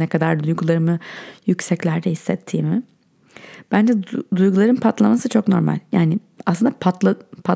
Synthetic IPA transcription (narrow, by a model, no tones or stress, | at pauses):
nɛkʰad̪aɾd̪ujɡulˠaɾɯmɯjycsɛclʲæɾd̪ɛhisːɛt̪ʰːiːmɪ | b̥ænd͡ʒɛd̪ujɡulˠaɾɯnpʰat̪lˠamasɯt͡ʃʰo̞kno̞̰ɾma̰lʲjaːnɪ | aslɯnd̪apʰat̪lˠapʰa